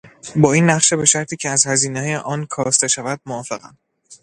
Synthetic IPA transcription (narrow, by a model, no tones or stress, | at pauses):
bɒːiːnːæχʃe̞be̞ʃæɾt̪ʰiːcʰeæzhæziːnejeʔɒːnkʰɒːst̪e̞ʃævæd̪̥̚moɒːfe̞ɣæ̰m